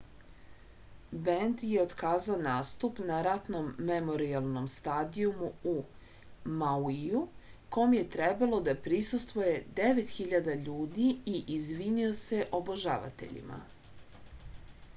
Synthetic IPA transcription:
bend̪je̞od̪kaːzaonaːst̪upnaɾat̪nomːe̞mo̞ɾialˠno̞mst̪aːd̪iumuu | mawijuko̞mje̞t̪ɾebalˠo̞d̪apɾisust̪ʋoje̞d̪e̞ʋe̞t̪xiʎad̪aʎuːd̪iiʔizʋinio̞se̞ʔoboʒa̰ʋa̰t̪e̞̰ʎḭmʔa̰

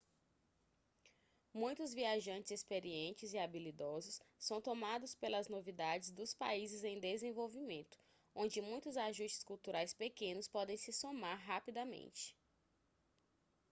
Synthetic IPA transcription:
mũj̃t̪ʊzviaʒɐ̃nt͡ʃɪzespeɾiẽnt͡ʃɪziabilid̪ɔzʊssɐ̃w̃t̪omad̪ʊspelɐznovid̪ad͡ʒɪzd̪ʊspa̰izɪzẽj̃d̪ezẽvowvimẽnt̪ʊ̥ | õnd͡ʒɪmũj̃t̪ʊzaʒust͡ʃɪ̥skuwt̪uɾajspekẽnʊspɔd̪ẽj̃sɪsomaɾɦapid̪ɐmḛ̃nt͡ʃɪ̥

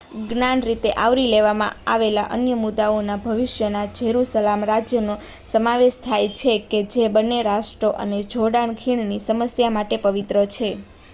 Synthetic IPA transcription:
ɡnanɾit̪eʔaʋɾileʋamã̰a̰ʋela̰ʔənjəmud̪aonabʱəʋɪʃjənad͡ʒeɦɾusəlamɾad͡ʒjəno | səmaʋeʃt̪ʰajt͡ʃʰeked͡ʒebənːeɾaʃʈɾoʔə̰ned͡ʒʱoɽaɳkʰiɳ̃nisəməsjamaʈepəʋit̪ɾət͡ʃʰe

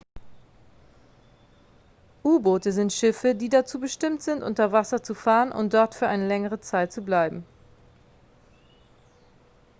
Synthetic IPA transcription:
ʔuːboːtəzɪntʃɪfədiːdat͡suːbəʃtɪmtz̥ɪntʔʊ̰ntɐvasɐt͡sufaːʁənʔʊ̰ntd̥ɔɐtfyːɐʔaɪnəlɛŋəʁ̞ət͡saɪt̚t͡sublaɪbm̩

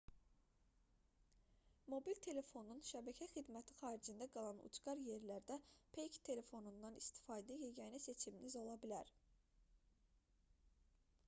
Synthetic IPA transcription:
mo̞bilt̪ʰe̞le̞fo̞nunʃæbæcʰæxid̪mæt̪ʰi̥xɑːɾid͡ʒind̪æɡɑlˠɑnṵt͡ʃɡɑɾje̞ɾlæɾd̪æpʰejkt̪ʰe̞le̞fo̞nund̪ɑnist̪ʰi̥fɑːd̪æjeɡæjnæse̞t͡ʃʰiminizo̞lˠɑbilæɾ

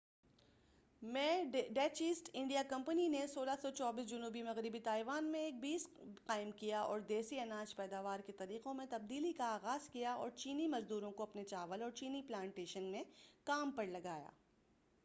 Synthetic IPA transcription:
mɛ̃ːɖɛːt͡ʃiːsʈɪ̃ɳɖijakɐ̃mpəninesoːlasɔt͡ʃɔːbiːs̬d͡ʒʊnuːbimɐɣɾɪbit̪aːɪʋaːnmẽeːk̚biːsqaːɪmkijaɔ̰ːɾd̪eːsiɐnãːt͡ʃpɛːd̪aːʋaːɾket̪ɐɾiːqõmẽt̪ɐb̚d̪iːlikaaːɣaːzkijaɔ̰ːɾt͡ʃiːnimɐzd̪uːɾõkoɐpnet͡ʃaːʋəlɔːɾt͡ʃiːniplãːɳʈeːʃənmẽkaːmpɐɾlɐɡaːja̰ː

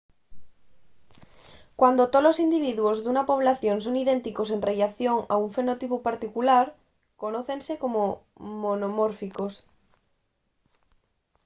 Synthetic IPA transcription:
kwand̪ot̪olosind̪iβ̞iðuozðunapoβ̞laθjons̬oŋiðẽnt̪ikosenreʎaθjoŋa̰uɱfenot̪ipupaɾt̪ikulaɾ | konoθensekomo | monomoɾfikos

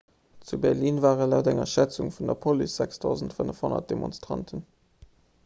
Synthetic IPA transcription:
t͡subɛʁliːnvaːʁəlɑʊtæŋɐ̰ʃæt͡suŋfundɐpʰolysz̥ækstʰɑʊzəntfənəfhonɐ̰t̚d̥emo̰nstʁɑ̰ntʰən

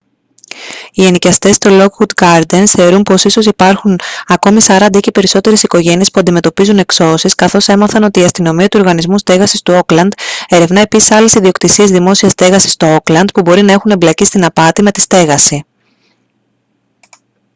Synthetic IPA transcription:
ienicɐst̪e̞st̪olo̞kxud̪ɡɐɾd̪ensθe̞oɾumpo̞siso̞sipɐɾxunɐko̞misɐɾɐnd̪icepe̞ɾiso̞t̪e̞ɾe̞siko̞ʝe̞nie̞spuɐnd̪ime̞t̪o̞pizune̞kso̞siskɐθo̞se̞mɐθɐno̞t̪iːɐst̪ino̞miɐt̪uo̞ɾɣɐnizmust̪e̞ɣɐsist̪uo̞klɐnd̪e̞ɾe̞vnɐepisi̥sɐle̞siðio̞kt̪isiezðimo̞siɐst̪e̞ɣɐsi̥st̪ooklɐnd̪pubo̞ɾinɐe̞xune̞mblɐcist̪inɐpɐt̪ime̞t̪i̥st̪e̞ɣɐsi

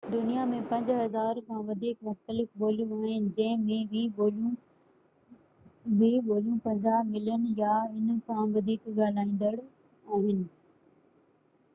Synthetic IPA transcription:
d̪ʊnijamẽpɐ̃ɲd͡ʑɦɐzaːɾkʰãːʋɐd̪ʱiːkmʊxt̪əlɪfɓoːljũaːɦɪnɪ̆d͡ʑɐ̃ɦɪ̃mẽlũ | biɓoːljũpɐ̃ɲd͡ʑamɪlənɪ̆jaɪn̆kʰãːʋɐd̪ʱiːkɠaːl̤aːĩːn̆d̪əɽ | aːɦɪnɪ̆

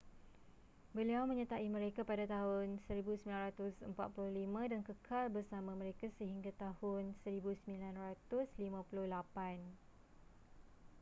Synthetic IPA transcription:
bəliawmə̃ɲə̃t̪aʔimə̃ɾekapadat̪aɦʊnsəɾibusəmilanrɾat̪ʊsə̰mpa̰t̪̚pulʊhlimãdankəkʰalbərsamãmə̃ɾekasəɦiŋɡat̪ahʊnsəɾibusəmilanrat̪ʊslimãpulʊhlapan

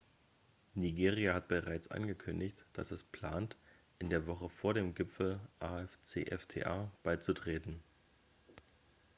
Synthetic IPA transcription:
niɡeːʁiahat̚b̥əʁaɪt͡sʔa̰nɡəkʰʏndɪçtd̥a̰sɛspʰl̥aːnt | ʔɪndeːɐvɔχəfoːɐɾeːmɡɪpfl̩ʔaːɛft͡sḛːʔɛftʰḛːʔaːb̥aɪt͡sutʁ̥eːtn̩

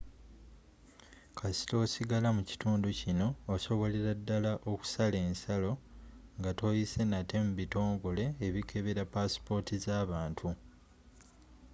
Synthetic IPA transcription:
kʰasi̥to̞ːsiɡalamuci̥tuːnducino̞ːso̞βo̞leɾadːalaʔo̞ku̥sale̞ːnsalo̞ŋɡato̞jise̞nate̞muβito̞ːŋɡo̞le̞ːβikʰe̞βeɾapaspo̞tʰizaːβaːntʰu

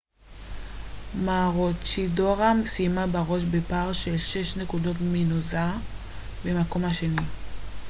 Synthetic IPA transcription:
maʁot͡ʃidoʁamsijmabaʁo̞ʃbepaʁʃelʃeʃnekudo̞tminoza | bemako̞mhaʃe̞ni

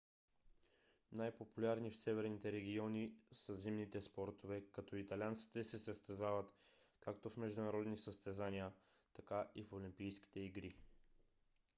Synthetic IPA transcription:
najpopulʲaɾnifsɛvɛɾnit̪ɛɾɛɡʲiɔnisəzimnit̪ɛspɔɾt̪ovɛkɐt̪ɔit̪ɐlʲant̪si̥t̪ɛsɛsəst̪ɛzavət̪kakt̪ofmɛʒd̪ʊnɐɾɔd̪nisəst̪ɛzaniə | t̪ɐkaʔifolʲimpijsk̟i̥t̪ɛiɡɾi

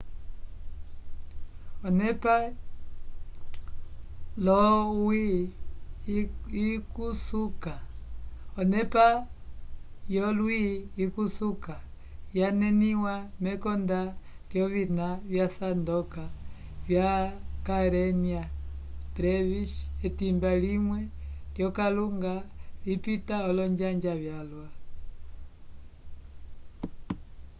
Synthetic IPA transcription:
ɔnɛpa | lɔwi | ikusuka | ɔnɛpa | jɔlwiːkusuka | janɛniwamɛkɔnda | ljɔβinaβjasandɔka | vjakaɾɛniabɾɛviʃɛtimbalimwɛljɔkaluŋɡalipitaɔlɔɲd͡ʒaɲd͡ʒaβjalwa

